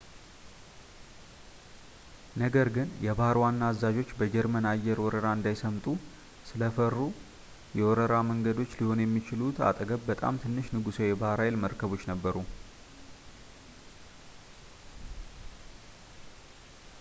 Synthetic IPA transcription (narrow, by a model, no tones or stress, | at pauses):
nəɡəɾɡɨnjɛβahɾwanːaːzːad͡ʒo̞t͡ʃːbəd͡ʒɛɾmənajːɛɾwɔɾəɾaɨnd̪ajsəmt̪ʼu | sɨləfərːu | jɛwɔɾəɾaməŋɡəd̪o̞t͡ʃːliho̞njɛmːit͡ʃɪlut̪a̰t̪ʼəɡəβbət̪ʼa̰mt̪ʰɨnːɨʃnɨɡusojɛbahɾajelməɾkʰəβo̞t͡ʃːnəbːəɾu